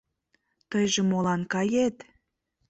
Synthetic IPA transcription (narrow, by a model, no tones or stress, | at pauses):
t̪əjʒemolɑnkɑjet̪